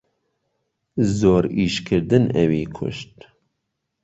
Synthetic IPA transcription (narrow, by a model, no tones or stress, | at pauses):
zoːɾiːʃkʰɨɾd̪ɨnɛwiːkʰʊ̰ʃt̪̚